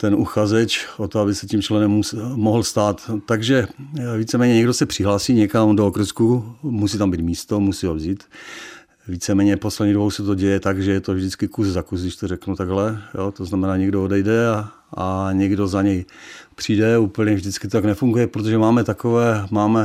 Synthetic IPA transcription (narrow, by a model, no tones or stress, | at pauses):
t̪ɛnuxazɛt͡ʃʔot̪oabɪsɛcimt͡ʃlɛnɛmːusmoɦl̩st̪aːt̪ːaɡʒɛviːt͡sɛmɛːɲɛɲɛɡdosɛpr̥ɪɦlaːsiːɲɛkamdookrɾ̩skumusiːt̪ambiːt̪miːst̪omusiːɦovziːt̪ | viːt͡sɛmɛːɲɛposlɛdɲidobowsɛt̪oɟɛjɛt̪aɡʒɛjɛt̪ovʒdɪt͡skɪkuzzakusɡdɪʃt̪orɛknut̪aɡɦlɛjoːt̪oznamɛnaːɲɛɡdoodɛjdɛa | aɲɛɡdo̞zaɲɛjpr̝̥idɛuːpl̩ɲɛvʒdɪt͡skɪ̥t̪ot̪aɡnɛfuŋɡujɛpɾot̪oʒɛmaːmɛt̪akovɛːmaːmɛ